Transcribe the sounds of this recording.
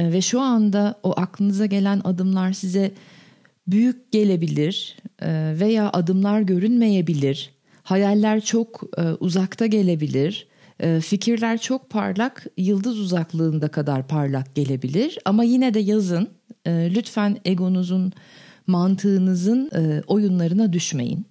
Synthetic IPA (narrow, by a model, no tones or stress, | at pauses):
vɛʃuand̪aoʔaklˠɯnɯzaɟe̞lʲæna̰d̪ɯmlˠaɾsizɛ | byjyc̚ɟe̞lʲe̞bilʲiɾ̥ | ve̞jaːʔad̪ɯmlˠaɾɟø̞ɾynme̞je̞bilʲiɾ̥ | hajalʲːæɾt͡ʃʰo̞kːʔuzakt̪ʰaɟe̞lʲe̞bilʲiɾ̥ | ɛficʰiɾlʲæɾt͡ʃʰo̞k̚pʰa̰ɾlˠakjɯlˠd̪ɯzuzaklˠɯːnd̪akʰad̪aɾpʰaɾlˠak̚ɟ̥e̞lʲe̞bilʲiɾ̥amajinɛd̪ɛjazɯnɯːlʲyt̪fæne̞ɡo̞nuzunmant̪ʰɯːnɯzɯnɯʔo̞junlˠaɾɯnad̪yʃme̞̰jḭn